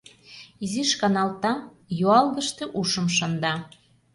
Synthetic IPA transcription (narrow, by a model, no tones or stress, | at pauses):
iziʃkɑnɑlt̪ɑ | joɑlɣə̆ʃt̪ĕʔuʃə̆mʃə̆nd̪ɑ